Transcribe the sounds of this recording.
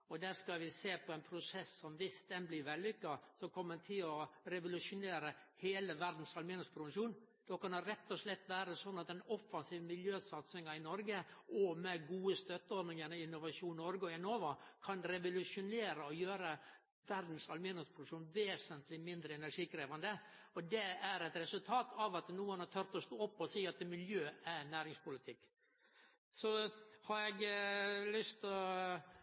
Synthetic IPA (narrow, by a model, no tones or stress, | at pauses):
ɔd̪æːskɑʋɪseːpʰɔɛnpʰɾʊsɛsːɔmʋɪst̪ɛnblɪʋɛlːʏkːɑsɔmkʰɔmːət̪ʰɪlɔɾɛʋʊlʉʂʊneːɾəheːləʋæɾd̪n̩sɑlmɪːnəspʰɾʊʋəʂuːn | d̪̥ɔkɑnəɾɛt̪ːɔʂlɛt̪ːʋæːɾəsɔnːɑt̪̚d̪ɛnɔfːɑnsiːʋəmɪljøːsɑt̪sɪŋɑɪnɔɾɡəʔɔmɛɡuːəst̪œt̪ːəɔɾd̪nɪŋənəɪnːʊʋɑʂuːnnːɔɾɡɔɛnoːʋəkʰɑnɾɛʋʊlʉʂʊneːɾəɔjøːɾə | ʋæɾd̪n̩sɑlmenɛspʰɾʊd̪ʉkʂuːnʋeːsənt̪lɪmɪnd̪ɾəɛnæɾʂiːkʰɾeːʋɑnd̪ə | ɔd̪ɛæɾɛt̪ɾɛsʉlt̪ʰɑːt̪ʰɑʋɑt̪nuːənɑt̪ʰœɾt̪ɔst̪oːɔpːɔsiːɑt̪mɪljøːæɾnæːɾɪŋspʊlɪt̪ʰɪkː | sɔhɑɾɛɡlʏst̪ɔ